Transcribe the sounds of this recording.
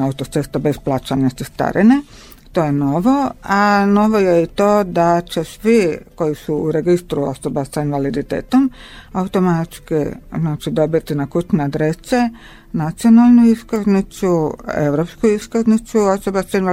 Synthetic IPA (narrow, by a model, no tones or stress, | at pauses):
aut̪ot̪sest̪abesplˠaːt͡ʃanast̪ist̪a̰ɾʔine | t̪o̞ːjeno̞ʋo̞ano̞ʋo̞jeit̪o̞ːd̪at͡ʃesʋiko̞jisuuɾe̞ɡist̪ɾuo̰sobasainʋalid̪it̪ḛːt̪omaut̪o̞mat̪skḭznat͡ʃid̪o̞bit̪inakut͡ʃnead̪ɾese | nat̪sionalˠnuiskaznit͡ʃuḛʋɾopskuiskaznit͡suo̞sobasainʋ